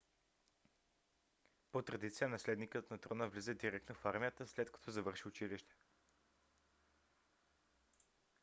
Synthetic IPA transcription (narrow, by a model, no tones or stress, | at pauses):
pot̪ɾɐd̪it̪sijənɐslɛd̪nikət̪nɐt̪ɾonəvlizɛd̪iɾɛk̚t̪nofaɾmʲijət̪əslɛt̪kɐ̥t̪ozɐvɤɾʃiʊt͡ʃiliʃt̪ɛ̥